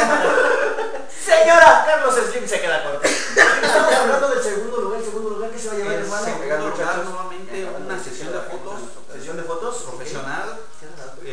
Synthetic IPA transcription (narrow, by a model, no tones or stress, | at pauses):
seɲoɾakaɾlosezlimsekeðakwoɾðo | est̪amosaβland̪oðelseɣund̪oluɣaɾelseɣund̪oluɣaɾkeseβajaemaneasoβamẽnt̪e | unasesjond̪efot̪os | sesjond̪efot̪osɾofesjonal